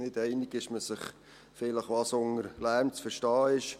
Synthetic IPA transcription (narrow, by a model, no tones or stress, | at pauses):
nɪdɛɪnɪɡɪʃməsɪχ | fɪləχʋɑsʊŋəɾlæɾmt͡sfəɾʃtɑːɪʃ